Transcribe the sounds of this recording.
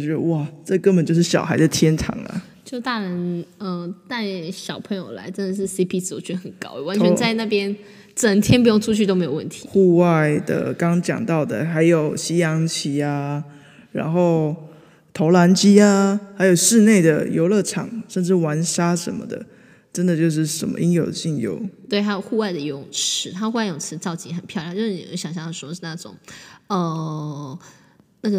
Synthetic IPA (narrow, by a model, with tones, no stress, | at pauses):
t͡ɕɥɛ˧˥d̪ə̰˧wa˥˩ʈ͡ʂɤ˥˩kə˥npə˨nt͡ɕo˥˧ʊʂɻ̩˥˩ɕjɑ̰˨˩xa˧˥ɪd̪ə˧t̪ʰjɛ˥nʈ͡ʂʰɑ̰˨˩˦ŋlə̰˨ | t͡ɕjo˥˧ʊt̪a˥˩ɻə˧˥nə˧˩t̪a˥˩ɪɕjɑ˨˩ʊpʰə˧˥ŋjo˨˩ʊla̰˧˥ɪʈ͡ʂə˧˥nd̪ə˨ʂ̬ɻ̩˥˩si˥pʰi˧˥t͡s̩˨˧o˨˧˩t͡ɕʰy˧˥˧xə˨˩nkɑ̰˥ʊə˨˩wa˧˦nt͡ɕʰɛ˧˦t͡sa˥˧ɪna˥˩pjɛ˥n | ʈ͡ʂə˨˩ŋt̪ʰjɛ˥np̬jo˥˩ŋʈ͡ʂʰu˥t͡ɕʰy˥˩to˥me˧˥o˨˩wə̰˥˩nt̪ʰi̥˨˦xu˥˧wa˥˩ɪd̪ə̰˨˩kɑ˦ŋt͡ɕjɑ̰˨˩ŋt̪ɑ˥˩ʊd̪ə˩xa˧˥ɪjo˨˩ʊɕi˥jɑ˧˥ŋt͡ɕʰi˧˥a˧ | ɻa̰˧˥nxo˥˩ʊ | t̪ʰo˧˥ʊla˧˥nt͡ɕi˥a˧xa˧˥ɪjo˨˩ʊʂɻ̩˥˧ne˥˩ɪd̪ə̰˩jo̰˧˥ʊlɤ˥˩ʈ͡ʂʰɑ̰˨˩˦ŋʂə˥˧nʈ͡ʂɻ̩˥˩wa˧˥nʂa˥ʂə˧˦nmə̰˧d̪ə̰˨˩ | ʈ͡ʂə˦˥nd̪ə˨t͡ɕjo˥˧ʊʂ̬ɻ̩˥˩ʂə̰˨˩nmə̰˦ʔi˥njo˨˩ʊd̪ə˨ɕi˥˩ŋjo̰˧˥˦ʊt̪we˥˩ɪtʰa˥jo˨˩ʊxu˥˧wa˥˩ɪd̪ə˩i˧˥ʊ˨˩ŋʈ͡ʂ̩ʰ˧˥t̪ʰa˥xu˥˧a˥˩jʊ˨˩t͡sʰɻ̩˧˥t͡sɑ˥˧ʊt͡ɕḭ˧˥ŋxə˨˩npʰjɑ˥˧ʊjɑ˥˩ŋ˦t͡ɕo˥˧ʊʂ̩˥˩nḭ˨˩˧ɕjɑ˨˩ŋɕjɑ˥˧˥ʂwɔ˥˧˩ʂ̩˥˧na˥˩ʈ͡ʂʊ̰˨˩˦ŋə˧ | na˥˩ɡə˩